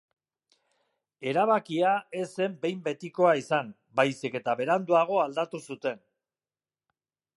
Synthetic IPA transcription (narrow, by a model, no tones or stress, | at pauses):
e̞ɾaβ̞akiae̞se̞mbe̞jmbe̞t̪iko̞aisam | bajsike̞t̪aβe̞ɾand̪uaɣ̞o̞ald̪at̪usut̪e̞n